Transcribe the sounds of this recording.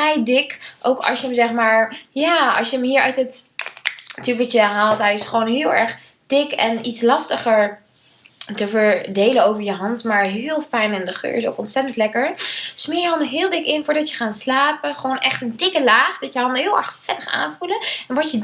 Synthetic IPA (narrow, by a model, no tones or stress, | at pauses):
ɛjdɪkʔo̰wkɑ̰sjəəmzɛχmaːɹjaːɑ̰sjəəmɦiːɹœ̰ɥtət | tyʋətəɦaːlˠtɦɛjɪsχəʋownɦɪːlˠɛɹχ | d̥ɪkɛnitslɑstəχəɹ | təvəɹdejlənowvəɹjəɦɑntmaːɹɦɪːlˠfɛjnɪndəχø̰ːɹɪso̰wkɔntsɛtəntlɛkəɹsmɪːɹjəɦɑndəɦɪːlˠdɪkɪnfʊːɹdɑtjəχaːnslaːpəχəʋownʔɛχtəndɪkəlaːχdɑtjəɦɑndəɦɪːlˠɛ̰ɹχfɛtəχa̰ːnvuləɛnʋɔtjə